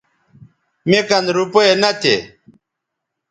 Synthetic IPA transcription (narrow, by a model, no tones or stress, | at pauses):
mekɐnd̪ɾupoenɐt̪ʰḛ